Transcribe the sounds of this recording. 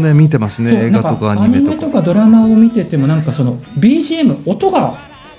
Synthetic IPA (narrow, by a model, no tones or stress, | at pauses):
nemʲit̪̬e̞masɨneːaakaokaːɲaɲ̟iiimett̪o̞kad̪o̞ɾamao̞mʲit̪e̞t̪e̞mo̞nãŋkaso̞no̞bʲiːʑiːemɯ̟o̞t̪o̞ɡa